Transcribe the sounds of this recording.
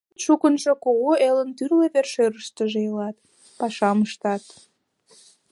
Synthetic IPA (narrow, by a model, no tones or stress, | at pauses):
t̪ʃukənʒokoɣoelənt̪yrleβerʃøɾəʃt̪əʒeəlɑt̪ | pɑʃɑməʃt̪ɑt̪